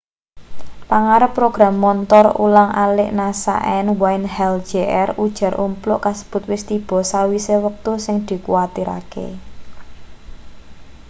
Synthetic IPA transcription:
paŋaɾəpːɾoɡ̥ɾamːɔnt̪ɔrṵlaŋʔalɪʔnasa̰ʔɛnwaɪnhɛld̥ʒ̥eʔɛrud̥ʒ̥a̤ɾumplʊʔkasə̥b̥ʊ̤t̪̚wɪst̪ib̥ɔ̤sawisewək̚t̪usɪŋd̪̥i̤kuwat̪iɾa̰kḛ

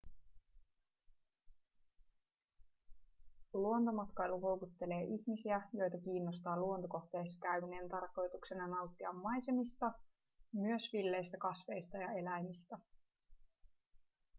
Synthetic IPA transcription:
luo̞nt̪o̞mɑt̪kɑjluɦo̞wkut̪ːe̞le̞ːʔiçmisiæjo̞jt̪ɑkiːnːost̪ɑːluont̪oko̞xt̪e̞jsɑ̥kæɥmneːnt̪ɑrko̞jt̪uksenɑnɑwt̪ːiɑmːɑjse̞mist̪ɑ | myøsʋilːe̞jst̪ækɑsʋe̞jst̪ɑjɑe̞læjmist̪æ

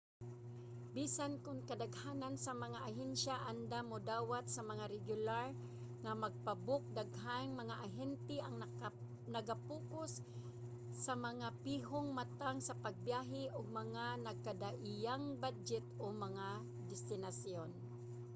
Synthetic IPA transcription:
biːsankʊnkad̪aɡhaːnansamɐŋaʔaɦɛnʃaʔand̪amʊd̪aːwat̪̚sɐmaŋaɾɛɡjʊlaɹ | ŋamaɡ̚pabʊk̚d̪aɡɦanŋmɐŋaʔaɦɛnt̪ɪʔaŋ | nɐɡapuːkʊsː | amɐŋapiːɦʊŋmat̪aŋsapaɡ̚bjaːɦɪʔʊɡ̚mɐŋanɐɡ̚kad̪aʔɪjaŋbad͡ʒɛt̪omɐŋa | d̪ɪst̪ɪnasjon

